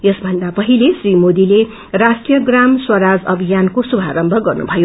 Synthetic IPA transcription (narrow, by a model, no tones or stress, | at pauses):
jʌsbʱʌnd̪apʌɦilesrimod̪ile | rasʈijʌɡramswʌɾad͡zʌbʱijankosubʱaɾʌmbʱʌɡʌrnṵbʱʌjo